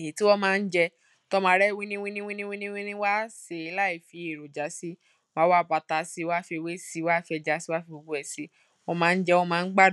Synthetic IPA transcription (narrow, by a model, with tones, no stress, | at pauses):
ĩ˨ti˨˦wɔ˦mãː˦˧n̩˦d͡ʒɛ˧ | tɔ˦mãː˧˦ɾɛ˦wĩ˦nĩ˦w̃ĩ˦nĩ˦wĩ˦nĩ˦wĩ˦nĩ˦wĩ˦nĩ˦wa˦se˧˨i˧la˦i˨fi˨˦e˨ɾo˨d͡ʒa˨˦si˦ | mã˨˦wa˦˨ba˧ta˧si˧˦wa˦fe˧we˦si˧˦wa˦fɛ˧d͡ʒa˧˦si˦wa˦fi˧o˧ɡ͡bu˦ɛ˨si˨˧˦ | o˧mãː˦˧n̩˦d͡ʒɛ˧wɔ˦˧mãː˦˧n̩˦ɡ͡ba˦˨